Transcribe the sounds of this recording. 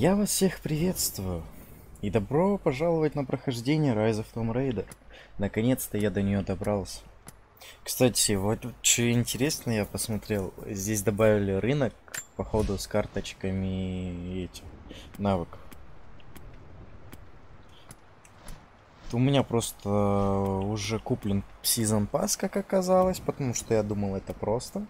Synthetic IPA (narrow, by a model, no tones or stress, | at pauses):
javasfsʲe̞xpɾʲɪvʲe̞t̪st̪vʊjʊ | id̪ɐbɾo̞pɐʐalˠəvət̚ʲnəpɾəxɐʐdʲenʲɪjəɾajzəft̪omɾejd̪ərnəkɐnʲe̞t̪st̪əjad̪ənʲɪjod̪ɐbɾalˠsʲə̥ | kst̪atʲɪvot̪t͡ɕɪnʲtʲɪɾʲe̞snəjapəsmɐt̪ɾʲe̞lˠzʲdʲesʲd̪ɐbavʲɪlʲɪɾɨnəkpɐxo̞d̪ʊskart̪ət͡ɕkəmʲɪɛtʲɪmnavɨkəf | t̪ʊmʲɪnʲapɾo̞st̪ə | ʊʐɛkuplʲɪnsʲizənpaskakɐkːɐzalˠəsʲpət̪ɐmuʂt̪o̞jad̪uməlˠɛt̪əpɾo̞st̪ə